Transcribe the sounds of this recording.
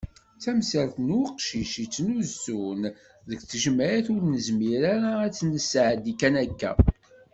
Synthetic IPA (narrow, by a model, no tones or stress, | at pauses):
t͡sæmsælθnqʃiʃit͡sːnuzːun | ðəkt͡sːəʒmæjæθʊɾnəzmiɾaɾaːt͡sːnəsʕəd̪ikːænækːæ̰